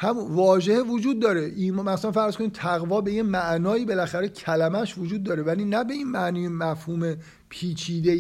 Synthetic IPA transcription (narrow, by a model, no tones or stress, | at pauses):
hæmunvɒːʒehevod͡ʒuːd̪̚ːɒːɾeʔiːmmæslænfæɾz̥ko̞niːt̪ʰæɣvɒːbe̞jemæʔnɒːiːbe̞læxæɾe̞cʰælæmæʃvod͡ʒuːd̪ːɒːɾe̞væliːnæbe̞iːnmæʔniːjemæfhuːme | pʰiːt͡ʃʰiːd̪e